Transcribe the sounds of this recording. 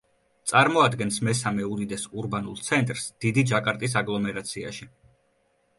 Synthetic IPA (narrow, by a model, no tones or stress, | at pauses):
t̪sʼaɾmɔad̪ɡɛnsmɛsamɛud̪id̪ɛsuɾbanulˠt̪sʰɛnt̪ʼɾsd̪̥id̪id͡ʒakʼaɾt̪ʼis̬aɡlˠɔmɛɾat̪sʰia̰ʃi